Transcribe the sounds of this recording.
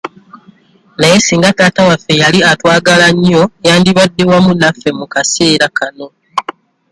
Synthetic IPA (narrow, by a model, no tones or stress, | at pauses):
naje̞siːŋɡataːtawafːe̞jaliatwaːɡalaɲːo̞jaːndiβadːe̞wamunafːe̞mukase̞ːɾakano̞